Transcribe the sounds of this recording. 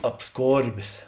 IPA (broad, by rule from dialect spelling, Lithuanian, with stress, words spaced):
ɐpˈskoːrʲbʲeːs